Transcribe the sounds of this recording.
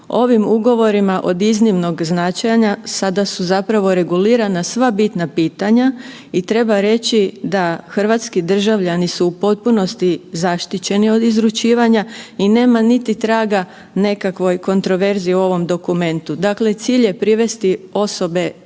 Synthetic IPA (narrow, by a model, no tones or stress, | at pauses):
o̞ʋimuɡo̞ʋo̞ɾimaʔod̪iznimno̞ɡznat͡ʃajaɲasad̪asuzapɾaʋo̞ɾe̞ɡuliːɾanasʋabit̪napiːt̪aɲa | it̪ɾe̞baɾe̞t͡ɕid̪axr̩ʋat̪skid̪r̩ʒaʋʎanisuupo̞t̪̚puno̞st̪izaʃt̪it͡ɕe̞nio̞d̪izɾut͡ʃiːʋaɲaine̞ːmanit̪it̪ɾaːɡa | ne̞kakʋo̞jko̞nt̪ɾo̞ʋe̞ɾziiuo̞ʋo̞md̪o̞kume̞nt̪ud̪akle̞t̪siːʎje̞pɾiʋe̞st̪io̞so̞be̞